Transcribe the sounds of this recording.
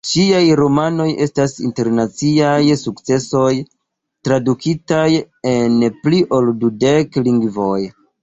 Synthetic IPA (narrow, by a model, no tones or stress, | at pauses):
t͡ʃiajɾo̞mano̞je̞stasḭnte̞ɾnat͡siajsukt͡se̞so̞j | tɾadukʰitaj | e̞npliʔo̞ldude̞kliŋɡvo̞j